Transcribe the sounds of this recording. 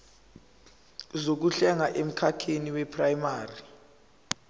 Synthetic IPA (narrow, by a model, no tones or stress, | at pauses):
zok̬uɬɛŋaʔem̩kʰatʰeniwɛpʰʼrajimaːri